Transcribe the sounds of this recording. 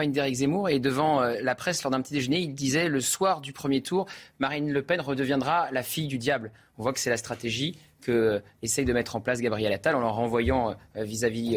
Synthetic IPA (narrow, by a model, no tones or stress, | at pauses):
ind̪eʁikzemuʁed̪əvɑ̃ølapχɛslɔʁd̪ɛ̃pət̪id̪eʒəneild̪izɛləswaʁd̪ypχəmjet̪ʰuʁmaʁinləpɛnʁəd̪əvjɛ̃d̪ʁalafijd̪yd̪jabl | ɔ̃vwakə̥sɛlast̪χat̪eʒi | kəesɛjd̪əmɛt̪χɑ̃plas̬ɡabʁijɛlat̪alɑ̃lɑʁɑ̃vwajɑ̃vizavi